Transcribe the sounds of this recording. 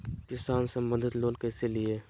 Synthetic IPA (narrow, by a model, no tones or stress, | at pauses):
kɪsaːnsəmbə̃nd̪ʱɪt̪loːlkɛːselie